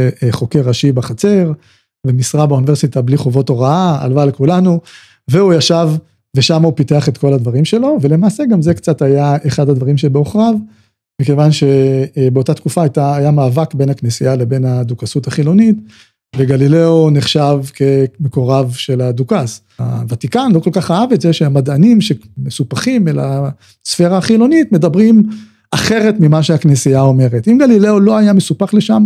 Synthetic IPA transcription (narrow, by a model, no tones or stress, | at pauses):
χo̞keʁaʃibaχat͡se̞ʁ | vemisʁabaunive̞ʁsit̪abliχovo̞to̞ʁaaa̰lvalkulanu | veujaʃav | veʃamaupiteaχe̞t̪ko̞ladvaʁimʃe̞lo̞vele̞maːseɡamzekt͡satajaeχad̪had̪vaʁimʃebeo̞χʁav | mike̞vanʃe̞beo̞tat̪kufaːjtaːjamaːvakbe̞nhaknesiale̞be̞nhad̪ukasutaχilo̞nit | veɡalile̞oneχʃavkʰe̞me̞ko̞ʁavʃe̞lad̪ukas | a̰vat̪ikanlo̞ko̞lkaχaavet͡szeʃeamadanimʃemesupaχimela̰ | sfe̞ʁaːχilo̞nitme̞dabʁim | ʔaχe̞ʁe̞tmimaʃeaknesiao̞me̞ʁetimɡalileolo̞ajamesupaχle̞ʃam